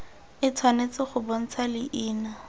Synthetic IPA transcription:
ɪt͡sʰwanet͡sɪχʊbon̩t͡sʰalɪʔiːna

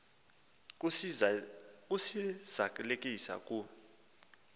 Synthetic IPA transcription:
kʼusiz̥akʼulekʼisa̰kʼu

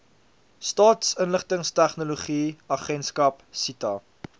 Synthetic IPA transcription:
stɑːtsənləχtəŋstæχnuloχiɐχɛnskɐpsitɐ

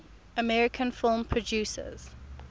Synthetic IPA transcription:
əmɛɹɪkʰə̃nfɪlˠmpʰɹɔd͡ʒjʉsə̰z̥

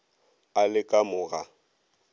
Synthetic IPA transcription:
alɪkʼamʊɣa

